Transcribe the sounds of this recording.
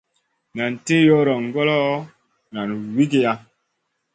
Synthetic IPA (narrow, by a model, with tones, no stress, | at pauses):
na˨n˨te˦jɔ˦ɾɔ˨ŋ˦ɡɔ˦lɔ˦ | na˨nwi˦ke˦ja˦